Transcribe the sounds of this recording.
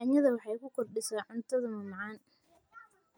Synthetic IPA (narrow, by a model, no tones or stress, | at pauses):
aɲɐðɐwɑħɑjkʰʊkʰɔrɖɪsaːʕʊnt̪ʰɐðɐmɐmɑʕɑːn